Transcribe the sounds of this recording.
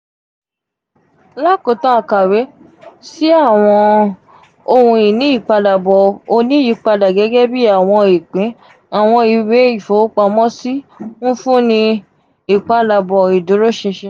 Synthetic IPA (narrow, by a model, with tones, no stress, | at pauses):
la˦˨ko˨˦tã˦a˧ka˨ɾe˨˦ | si˦a˦˨w̃ɔ̃˧ | o˧hũ˧i˨nĩ˨˦i˦˨k͡pa˧da˨bɔ˨o˧nĩ˦i˨˧˦k͡pa˧da˨ɡɛ˨˦ɡɛ˦bi˦a˦˨w̃ɔ̃˧i˨k͡pĩ˨˦ | a˨w̃ɔ̃˧i˧we˨˦i˦˨fo˨˦k͡pa˧mɔ̃˦si˦nũ˦fũ˦nĩ˧ | i˨k͡pa˧la˨bɔ˨i˨do˨˦ɾo˦ʃĩ˧ʃe˧˦